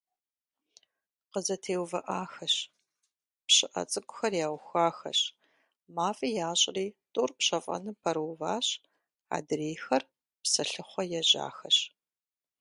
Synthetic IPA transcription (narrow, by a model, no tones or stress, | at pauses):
qəzɐtʰeːwvɐʔaːxɐɕ | pɕɪʔɐ̰t͡sʼɨkʷʼʊxɐrjaːwxʷaːxɐ̰ɕ | maːfʼiːjaːɕʼriːtʼuːrpɕɐfʼɐ̰nɨpʰɐɾwvaːɕ | a̰ːdreːxɐr | psɐɬɨχʷɔjɛʑa̰ːxɐɕ